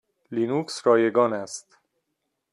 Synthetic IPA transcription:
linuksɾɒːjeɡɒːnæst̪

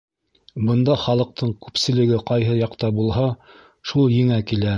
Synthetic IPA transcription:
bɤ̆nd̪ɑχɑlˠɤ̆q̚t̪ʰɤɴkʉpsɘ̆lɘ̆ɡɘqɑjɦɤjɑqt̪ɑbulˠɦɑ | ʃulˠjɘ̆ŋækilæ

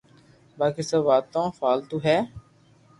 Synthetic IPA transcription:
baːkiːsəʋaːt̪ãːfaːlt̪uːɦɛː

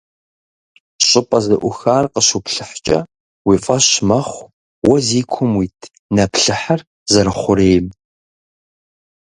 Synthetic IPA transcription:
ɕʼɪpʼɐzɨʔʷʊxaːrqəɕupɬɨħt͡ʃʼɐ̰ | wiːfʼɐɕmɐχʷ | wɐziːkʷʰʊmwiːtʰ | nɐpɬɨħar | zɐɾɨχʷʊɾeːjm

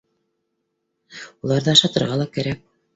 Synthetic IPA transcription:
ulˠɑɾðɤɑʃɑt̪ɤ̆ɾʁɑlˠɑkæɾæk̚

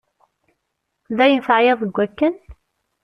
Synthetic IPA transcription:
ðæjənθʕjeðˤəɡʷːækːən

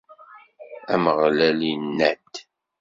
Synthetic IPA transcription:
æməʁlælinːæd̪

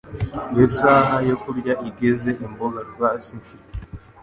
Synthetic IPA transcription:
ɡesaːɦajokuɾɟaʔiɡezeʔimboɡaɾɡwasiɱfite̥

